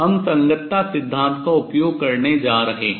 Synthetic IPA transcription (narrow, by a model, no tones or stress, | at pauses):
ɦɐmsɐ̃ŋɡət̪ːasɪd̪ʱːãːnt̪kaʊpjoːɡ̚kɐɾned͡ʒaːɾɐɦeː